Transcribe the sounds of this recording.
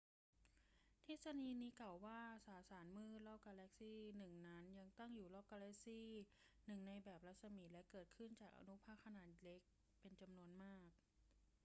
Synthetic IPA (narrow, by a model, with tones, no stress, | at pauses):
t̪ʰe˦˥t̪̚sa˧niː˧niː˦˥kla˨˩wːaː˥˩saː˩˦saː˩˦nmɯː˥˩lɔː˥˩k̚kaː˧lɛ˦˥k̚siː˥˩nɯ˨˩ŋna˦˥nja˧ŋt̪a˥˩ŋjuː˨˩lɔː˥˩k̚ːaː˧lɛ˦˥k̚siː˥˩ | nɯ˨˩ŋna˧jbɛː˨˩p̚ɾa˦˥t̪̚sa˧mi˨˩t̪̚lɛ˦˥kɤː˨˩t̪̚kʰɯ˥˩nt͡ɕaː˨˩k̚ʔa̰˧nu˦˥pʰaː˥˩kʰːa˧naː˨˩t̪̚le˦˥k̚ | pe˧nt͡ɕa˧mnu˧ənmaː˥˩k̚